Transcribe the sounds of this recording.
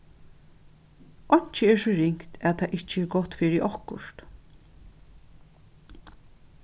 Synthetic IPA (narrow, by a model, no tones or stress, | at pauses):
ʔɔɲ̥t͡ʃəɛɹsɔɹɪŋkt̪ʰæðt̪ʰaʔɪt͡ʃəɛɾɡɔht̪fiːɾɪʔɔhkʊ̰ʃt̪